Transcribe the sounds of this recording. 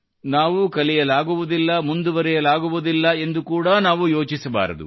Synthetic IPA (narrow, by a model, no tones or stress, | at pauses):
naːʋukɐlijɐlaːɡuʋud̪ilːɐmund̪uʋɐɾɛjɐlaːɡuʋud̪ilːɐe̞nd̪ukuːɽɐnaːʋujo̞ːt͡ʃisɐba̰ːɾɐ̰d̪ṵ